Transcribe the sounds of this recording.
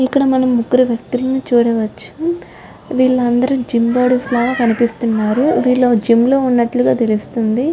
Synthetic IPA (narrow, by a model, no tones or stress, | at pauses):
ikːɐɽɐmɐnɐmːuɡuɾuʋjɐk̚t̪ulɐnut͡ʃuːɽɐʋɐt͡ʃːu̥m | ʋiːɭːɐɐnd̪ɐɾumd͡ʒimbaːɽuslaːɡaːkɐnipist̪unːaːɾuʋiːɭːod͡ʒimlo̞ːunːɐʈluɡaːt̪elust̪und̪i